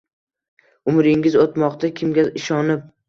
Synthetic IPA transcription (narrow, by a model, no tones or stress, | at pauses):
ʊmɾɪŋɪzot̪mɒqt̪ʰakʲʰɪmɡʲaɪʃɒnɪp̚